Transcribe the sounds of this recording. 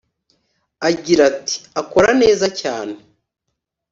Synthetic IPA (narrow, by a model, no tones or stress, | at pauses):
aɟiɾati̥ako̞ɾane̞ːzacaːne